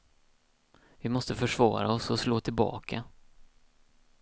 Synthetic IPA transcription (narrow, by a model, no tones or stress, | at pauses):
vɪmɔst̪əfœʂvɑ̰ːɾa̰ɔsɔsloːt̪ʰɪlbɑ̰ːkʰa